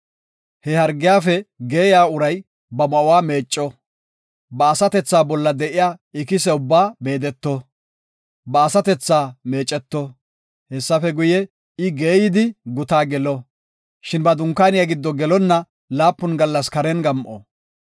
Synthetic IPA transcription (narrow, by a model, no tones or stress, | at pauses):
hɛhɐɾɡɪjaːfɛɡe̞ːjaːʊɾɐj | bɐmɐʔʊwaːme̞ːt͡ʃʼːɔ | bɐːsɐt̪ɛt͡sːaːbɔlːɐd̪ɛʔɪjaːɪkɪsɛʊbːaːme̞ːd̪ɛt̪ːɔ | bɐːsɐt̪ɛt͡sːaːmeːt͡ʃʼːɛt̪ːɔ | hɛsːɐfɛɡʊjɛ | ɪɡeːjɪd̪ɪɡʊt̪aːɡɛlɔ | ʃɪnbɐd̪ʊŋkːaːnɪjaɡɪd̪ːɔɡɛlɔnːɐ | laːpːʊnɡɐlːɐskɐɾɛnɡɐmʔɔ̰